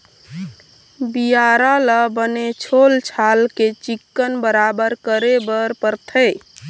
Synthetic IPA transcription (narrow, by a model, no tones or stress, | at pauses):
bijaɾaləbənet͡ʃʰolt͡ʃʰalket͡ʃikːənbəɾabəɾkəɾebəɾpəɾt̪ʰə